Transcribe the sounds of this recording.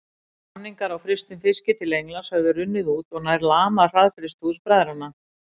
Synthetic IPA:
anːiŋkaɾawfɾɪst̪ʏmfɪscɪt̪ʰɪlejŋlanshœɣðʏɾʏnːɪðuːt̪ɔnaɾlaːmar̥aðfɾɪst̪uðspɾaːðɪɾhanːa

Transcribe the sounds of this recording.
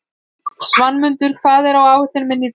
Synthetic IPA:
svanːmʏnt̪ʏɾ̥kʰvaːðɛɾawaːwvʏht̪ɪnmɪnːi

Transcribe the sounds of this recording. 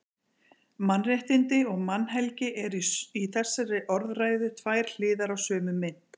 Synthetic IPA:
manːrjaht̪ɪnt̪ɪɔɣmanːɦɛlcɪʔɛɾiθɛsːaɾɪʔɔɾðraːjðʏt̪ʰvajɾ̥l̥ɪːðaɾawsœːmʏmɪn

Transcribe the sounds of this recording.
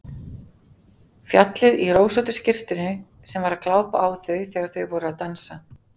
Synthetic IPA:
fjat̪lɪðiroːwsawt̪ʏscɪr̥t̪ʏnʏ | sɛmvaɾaðklaːwpa̰ʔːwθœɥθɛːɣaðθœɥvɔɾʏaðt̪ansa

